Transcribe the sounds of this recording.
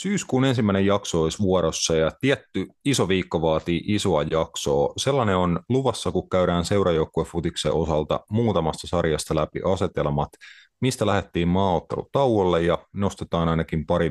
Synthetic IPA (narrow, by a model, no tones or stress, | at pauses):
syːskuːne̞nsimːæˑinejɑksooisʋuoɾosːɑjɑt̪iæt̪ːyisoʋiːkːoʋɑːt̪iːʔiso̞ɑjɑkso̞ːselːɑneonluʋɑsːɑkukkæyɾæːnseuɾɑjoukːueffut̪iksḛʔo̞sɑlt̪ɑ̰muːt̪ɑmɑst̪ɑsɑrjɑst̪ɑlæpḭʔɑse̞t̪elmɑt̪ | mist̪ælæhet̪ːiːmmɑːot̪ːelṵt̪ɑwwolːejjɑnost̪et̪ɑːnɑinɑkimpɑɾi